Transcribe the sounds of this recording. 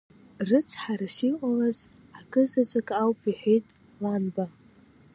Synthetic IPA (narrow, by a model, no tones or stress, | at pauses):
rɨt͡sʰħarasiqʷʼalaz | akʼɨzat͡sʷʼakʼawpʼʰiħʷᶣejtʼ | lanba